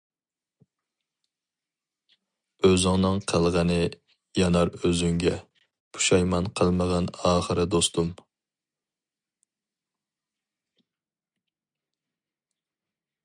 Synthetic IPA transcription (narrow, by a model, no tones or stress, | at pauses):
øzɪŋnɨŋqʰəlˠʁənɨ | jɑnɑɾøzyŋɡʲɛ | pʰu̥ʃɑjmɑnqʰəlˠməʁɑnɑːχəɾɨd̪ost̪ʰum